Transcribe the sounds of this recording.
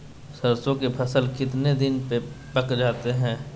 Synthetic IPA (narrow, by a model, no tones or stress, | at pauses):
səɾsõkepʰɐsəlkɪt̪ned̪ɪnpe | pəkd͡ʒaːt̪eɦɛ̃ː